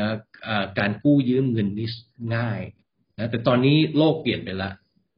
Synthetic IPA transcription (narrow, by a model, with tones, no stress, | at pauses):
ʔaː˨˩kaː˧nkuː˥˩jɯː˦˥˩mŋɤ˧nmi˦˥˩sŋaː˥˩j | na˦˥t̪ɛː˨˩t̪ɔː˧nːiː˦˥loː˥˩k̚pli˨˩ənpa˧jla˦˥ʔ